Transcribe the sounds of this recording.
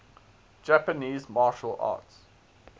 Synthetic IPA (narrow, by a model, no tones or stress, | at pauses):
d͡ʒæpəniːzmɑːʃəlɑ̰ːts